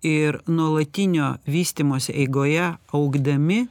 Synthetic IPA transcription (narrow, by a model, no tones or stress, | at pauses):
ɪɾnuɔlˠɐt̪ʲɪnʲoːʋʲiːsʲt̪ʲiːmoːsʲeʔɛɪɡoːjɛɐʊɡd̪ɐmʲɪ